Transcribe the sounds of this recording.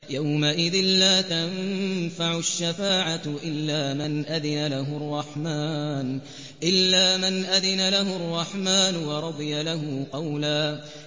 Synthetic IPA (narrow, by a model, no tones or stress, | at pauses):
jawmaʔɪðɪnlaːt̪amfaʕʊaʃːafaːʕaʔɪlːaːmɪnʔaðɪnalaɦʊrˤːɑħmaːn | ʔɪlːaːmɪnʔaðɪnalaɦʊɑrˤːɑħmaːnʊwɑɾˤɑd̪ˤɨjalaɦʊqɑwlaː